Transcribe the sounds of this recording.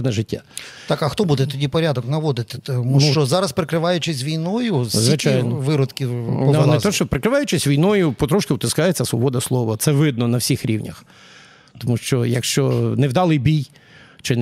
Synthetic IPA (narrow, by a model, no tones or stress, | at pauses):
nɛʒɪtʲːa̰t̪ɑkɐxt̪ɔbud̪ɛt̪ɔdʲipɔɾʲad̪ɔknɐʋɔd̪ɪt̪ɪ̥t̪ɔmuʃt͡ʃɔzɑɾɐspɾɪkɾɪʋɑjʊt͡ʃɪsʲʋʲijnɔjʊszʋɪt͡ʃajnʋɪɾɔd̪kʲɪpɔanɛt̪ɔʃt͡ʃɔpɾɪkɾɪʋɑjʊt͡ʃɪsʲʋʲijnɔjʊpɔt̪ɾɔʃkɪwt̪ɪskɑjet͡sʲːɐsʋɔbɔd̪ɐslˠɔʋɐt̪sɛʋɪd̪̚nɔnɐwsʲixɾʲiwnʲɐ̰x | t̪ɔmuʃt͡ʃɔjɐkʃt͡ʃɔnɛwd̪ɑlˠɪbʲij | t͡ʃɪn